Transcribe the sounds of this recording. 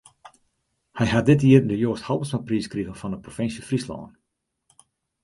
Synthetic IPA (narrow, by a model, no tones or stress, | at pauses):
hɛjɦat̚dɪtiərndəjoːshɔlˠbənsmapriːskrivənfɔnəprofɪnsjəfrislɔ̰ːn